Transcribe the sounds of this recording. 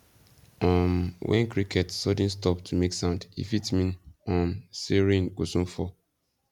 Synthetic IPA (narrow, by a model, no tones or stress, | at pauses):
ɔmwɛ̰̃nkɾikʰɛtsɔdĩnstɔptʰumeksãʊ̃ndḭfitmĩnɔ̃mseɹĩnkosũnfɔ